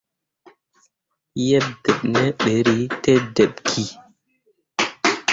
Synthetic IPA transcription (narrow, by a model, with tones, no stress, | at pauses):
jɛ˦ɓ̚dɛ˨ɓnɛ˦ɓe˨ɾi˦tɛ˦dɛ˨ɓkʰi˨